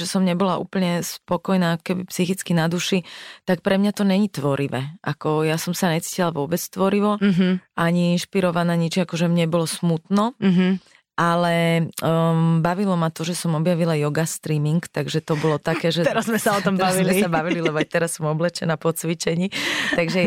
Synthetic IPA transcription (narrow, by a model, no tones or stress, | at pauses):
ʒɛsɔmɲɛbɔlaʔṵːpl̩ɲɛspɔkɔjnaːkɔ̥kɛbipsixit͡skinad̪uʃit̪ak̚pɾɛmɲat̪ɔɲɛɲit̪ʋɔɾiʋɛʔakɔjasɔmsaɲɛt͡si̥cilaʋʊɔbɛt͡st̪ʋɔɾiʋɔɦaɲiinʃpiɾɔʋanaːɲit͡ʃiakɔʒɛmɲɛbɔlɔsmut̪nɔɦ | ʔalɛ | baʋilɔmat̪ɔʒɛsɔmɔbjaʋilajɔɡast̪ɾiːmiŋkt̪aɡʒɛt̪ɔbɔlɔt̪akɛːʒɛɛɾazzmɛsaɔt̪ɔmbaʋilmɛisabaʋililɛbɔaɪt̪ɛɾasːɔmɔblɛt͡ʃɛnaːpɔt͡sʋit͡ʃɛɲiːt̪aɡʒɛ